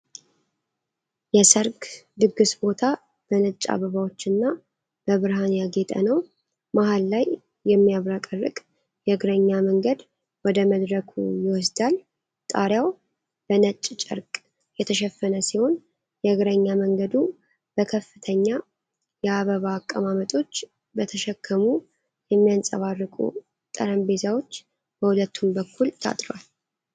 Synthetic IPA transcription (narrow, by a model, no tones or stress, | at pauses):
jɛsəɾɡd̪ɨɡɨsbo̞t̪ʰa | b̥ənət͡ʃʼːa̰βəβawo̞t͡ʃːɨnːa | b̥əβɨɾɦanjaɡe̞t̪ʼə̰nəw | maɦalːajː | ɛmːijaβɾakʼərːɨ̰kʼ | jɛɡɾəɲːaməŋɡəd̪ | wɔd̪əməd̪ɾəkʰṵjɪwɔs̬d̪al | t̪ʼaɾjaw | b̥ənət͡ʃʼːt͡ʃʼə̰ɾkʼ | jɛt̪ʰəʃɛfːənəsiho̞n | jɛɨɡɾəɲːaməŋɡəd̪u | b̥əkʰəfːɨt̪ʰəɲːa | jɛaβəβaːkʼːəmamət̪ʼo̞t͡ʃː | bət̪ʰəʃɛkʰːəmu | jɛmːijansʼəβarːɨkʼṵ | t̪ʼəɾəmbe̞zawo̞t͡ʃː | b̥əhulət̪ʰːumbəkːult̪ʰa̰t̪ʼɾwal